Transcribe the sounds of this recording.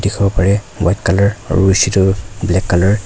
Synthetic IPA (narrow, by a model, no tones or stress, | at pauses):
dikʰɔbɔpaɹɛ | wajtkalɔɹ̰ɹuisitʊblɛkːalɔɹ